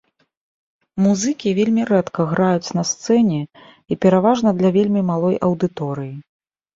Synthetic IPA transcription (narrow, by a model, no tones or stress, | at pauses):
muzɨkʲivʲelʲmʲiɾɛt̪kɐɣɾajut͡sʲnɐst̪sɛnʲɛ | ipʲɛɾavaʐn̪ɐd̪lʲɐvʲelʲmʲimalˠɔjʔɐwd̪ɨt̪ɔɾɨji